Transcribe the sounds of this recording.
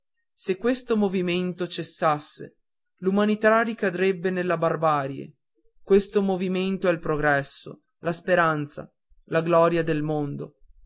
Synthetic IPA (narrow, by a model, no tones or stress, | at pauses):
sekːwest̪omoviment̪ot͡ʃesːasːḛ | lumanit̪arikad̪ɾebːenelːabarbaːɾjḛ | kwest̪omoviment̪oɛlpɾoɡɾɛsːo̰ | laspeɾant̪sa̰ | laɡlɔːɾjad̪elmond̪o̰